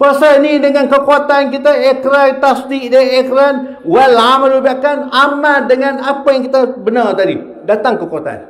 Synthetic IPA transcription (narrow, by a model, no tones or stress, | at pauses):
pəsəinidəŋãnkəkoat̪ankit̪aekɾat̪ast̪iʔdaekɾan | wɛlamalubiakanamadəŋanapajaŋkit̪abənart̪adḭ | dat̪aŋkəkuat̪a̰n